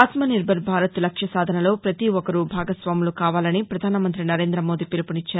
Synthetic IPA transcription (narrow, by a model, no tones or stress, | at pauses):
aːt̪mɐniɾbʱɐɾbʱaːɾɐt̪lɐkʂjɐsaːd̪ʱɐnɐlo̞ːpɾɐt̪iɔkɐɾubʱaːɡɐsʋaːmulukaːʋaːlɐnipɾɐd̪ʱaːnɐmɐnt̪ɾinɐɾe̞ːnd̪ɾɐmo̞ːd̪ipilɐpunit͡ʃːaːɾu